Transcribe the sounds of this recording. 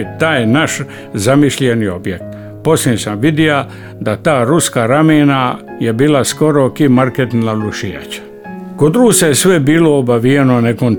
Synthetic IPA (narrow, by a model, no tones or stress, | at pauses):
t̪aːjnaʃ | zamiʃʎenio̞bjek̚t̪ | po̞slinsamʋid̪ia | d̪at̪aːɾuskaɾameːna | jebiːlasko̞ɾokimaɾket̪naluʃija̰t͡ɕḁ | kod̪ɾuːsajesʋebiːloːbaʋienonekon